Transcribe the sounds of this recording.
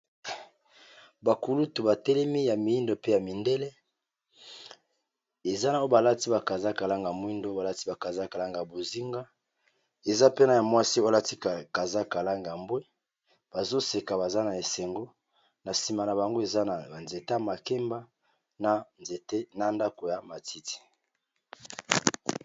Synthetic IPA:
ba˨ku˨lu˦tu˨ba˨tɛ˦lɛ˦mi˦ja˨mi˨i˦ndo˨pe˦ja˨mi˨nde˦le˦ | e˨za˦na˨o˦ba˨la˦ti˦ba˨ka˨za˦ka˨la˦ŋɡa˨mwi˦ndo˦ba˨la˦ti˦ba˨ka˨za˦ka˨la˦ŋɡa˨bo˨zi˦ŋɡa˦ | e˨za˦pe˦na˨ja˨mwa˦si˦o˦la˦ti˦˨ka˨za˦ka˨la˦ŋɡa˨a˨mbwe˦ | b̥a˨zo˦se˨ka˨βa˨za˦na˨e˨se˨ŋɡo˦ | na˨si˨ma˨na˨ba˨ŋɡo˦e˨za˦na˨a˨nze˨ta˦˨ma˨ke˦mba˦ | na˨nze˨tna˨nda˦ko˨ja˨ma˨ti˦ti̥˨

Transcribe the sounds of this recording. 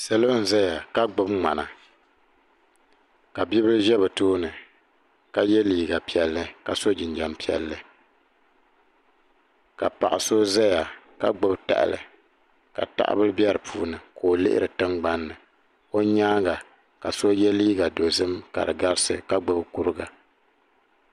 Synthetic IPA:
sɛ˦lo˦n̩˨za˦ja˨ka˦ɡ͡bʊ˦bŋ͡ma˨na˨ | ka˨bi˦bɨ˦ɾɨ˦ʒɛ˦bɛ˨toː˦nɨ˨ | ka˨jɛ˦liː˦˨ɡa˨pi˨ɛ˨lːɨ˦ka˨so˦d͡ʒɪ˨nd͡ʒa˨mpi˨ɛ̰˨lːɨ˦ | ka˨pa̰˨ʔa˨so˦za˦ja˨ | ka˦ɡ͡bo˦bta̰˨ʔɪ̰˨lɨ̰˨ | ka̰˨ta̰˦ʔa̰˦bɨ˦ɾbjɛ˦ɾɨ˨pʰuː˦nɨ˨kʰoː˨lɪ˦ʔɪ̰˦ɾɨ˨tɨ˦ŋɡ͡ba˦nːɨ˨ | o˦ɲaː˦ɡa˨ | ka˨so˦jɛ˦liː˦ɡa˨do˨zɨ˦mka̰˨ɾɨ˨ɡa˦ɾɨ˦sɨ̰˦ka˦ɡ͡bɨ˦bku˦ɾɨ˦ɡa˨

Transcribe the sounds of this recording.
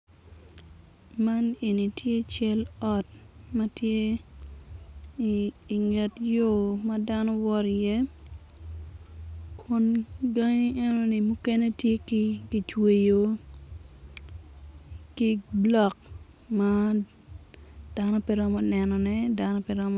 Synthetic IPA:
ma˦ne˨ni˨tje˦t͡ʃɛ˦lɔ˨t̚mɐ˦tje˦ | i˨ŋɛ˨tjo˦ma˦da˦nɔ˦wɔ˦ɾje˦ | kʰo˦nɡa˦ŋi˦e˦no˦ni˨mu˦ke˦ne˦tje˦ki˦ɡi˨t͡ʃwe˨jo˨ | ki˦blɔ˨k̚ | ma˦ | d̥a˦no˦pi˦ɾɔ˦mɔ˦nɛ˨nɔ˨nɛ˦da˦nɔ˦pɛɾɔ˦m˦

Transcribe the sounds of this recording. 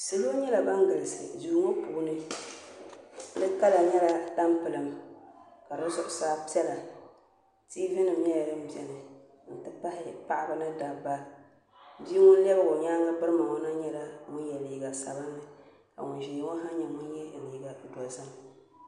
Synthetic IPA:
sɨ˦lo˦ɲɛ˦la˨ba˦ŋɡɨ˨lɨ˨sɨ̰˨duː˨˦ŋo˦puː˨˦nɨ˦ | dɨ˦ka˦la˨ɲɛ˦la˦ta˦mpɨ˨lɨ˨m | ka˨ɾɨ˦zʊ˦ʔʊ˨saː˦pi˦ɛ˦la˨ | tiː˦vɪ˦nɨ˨m˦ɲɛ˦ja˨dɨ˦m̩˦bi˨ɛ˨nɨ˨ | n̩˨tɨ˦pa˦hɪ˦pa˦ʔa˦bɨ˦nɨ˦da˨ba˦ | bi˦i˦ŋʊ˦lɛ˦bɨ˦ɡʊ˨ɲaː˦ŋa˦bɨ˦ɾɨ˦ma˨ŋɔ˦na˦ɲɛ˦la˨mʊ˦n˦jɛ˨liː˨ɡa˨sa̰˨ba˦nːɨ˨ | ka̰˨ŋʊ˨n˨ʒi˨jŋɔ˦ɦa˦ɲɛ˨mʊ˦njɛ˦˨liː˨ɡa˨dɔ˨zɨ˦m

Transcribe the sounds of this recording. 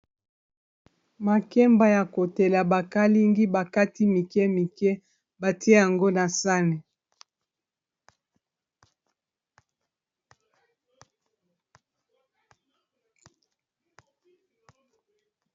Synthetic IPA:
ma˨kɛ˦mba˨ja˨ko˨te˨la˨ba˨ka˦li˦ŋɡi˦ba˨ka˦ti˦mi˨kɛ˦mi˨kɛ˦ | ba˨ti˦e˦ja˨ŋɡo˦na˨sa˦nɛ˨

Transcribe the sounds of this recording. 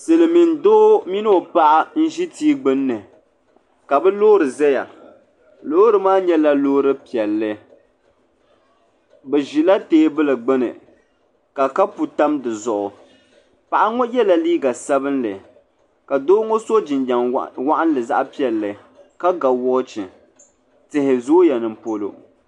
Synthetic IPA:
sɨ˨lɨ˨mi˨ndoː˦mi˦nɨ˦o˨pa˦ʔa˦n̩˦ʒi˦tiː˦ɡ͡bɨ˦nːɨ˨ | ka˨bɛ˦lo˦ɾɨ˨zɛ˦ja̰˨ | lo˦ɾɨ˨maː˦ɲɛ˦la˦loː˦ɾɨ˦pi˨ɛ˨lːɨ˦ | bɛ˨ʒi˨la˦teː˦bɨ˦lɨ˨ɡ͡bɛ˦nɨ̰˨ | ka˨ka˦pu˨ta˦mdɨ˨zɔ˨ʔʊ˨ | pa˨ʔa˦ŋɔ˦jɛ˦la˨liː˦ɡa˨sa˦bɨ˦nlɨ˨ | ka˨doː˦ŋo˦so˦d͡ʒɪ˨nd͡ʒa˨ŋwa˦ʔa˦n˦lɨ˨za̰˦ʔpi˦ɛ˨lːɨ˨ | ka˦ɡa˨wɔ˦t͡ʃɪ˨ | tɪ˨hɪ˨zoː˦ja˨nɨ˨m̩˨po˦lo̰˨

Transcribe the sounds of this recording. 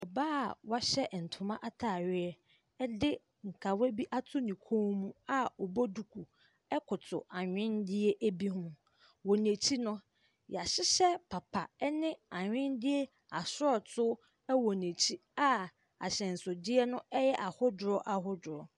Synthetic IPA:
ɔ˨baː˦˨wa˦ɕɛ˦˨n̩˨tʰʊ˨mã˦ʔa˦tʰa˨ɥɪ˦ɛ˦ | ɛ˦dɪ˦ | ŋ̩˨kʰa˨wɛ˦bi˦ʔa˦tʰʊ˦nĩ˨kʰõ˦mũ˦a˦ɔ˨bo˦du˨kʰu˨ | ɛ˦kʰʊ˨tʰʊ̰˨a˨ɲᶣɪ̃˦ndɪ˦e˦ʔæ˦bi˦ɦʊ̃˦ | wɔ˨nẽ˨t͡ɕʰi˦nʊ̃˦ | ja˨ɕɪ˦ɕɛ˦pʰa˨pʰa˨ɛ˦nɪ̃˦a˨ɲᶣɪ̃˦ndɪ˦e˦ | a˨sʊ˦ɔ˨tʰʊ˦ | ɛ˦wɔ˨nẽ˨t͡ɕʰi˦a˦ | a̰˨ɕɛ̃˨n̩˨sʊ˨dɪ˦ɛ˦nʊ̃˦ɛ˦jɛ˦ʔa˨hʊ˦dʊ˨ɾɔ˦ʔa˨ɦʊ˦dʊ˨ɾɔ˨

